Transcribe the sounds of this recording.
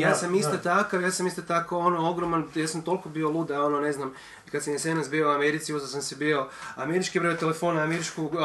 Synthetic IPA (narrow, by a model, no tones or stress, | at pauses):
jaːsamist̪ot̪akaʋjaːsamist̪ot̪akoonooɡɾomanjaːsamt̪o̞lˠkobiolˠud̪ao̞none̞znam | kat̪samjesenasbiouameɾit̪siuzas̬amsebio̞ameɾit͡ʃkibɾojot̪elefoːnaameɾit͡ʃku